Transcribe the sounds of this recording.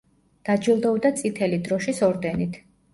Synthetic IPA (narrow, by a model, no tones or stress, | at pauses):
d̪̥ad͡ʒilˠd̪ɔvd̪at̪sʼit̪ʰɛlid̪ɾɔʃisɔɾd̪ɛnit̪ʰ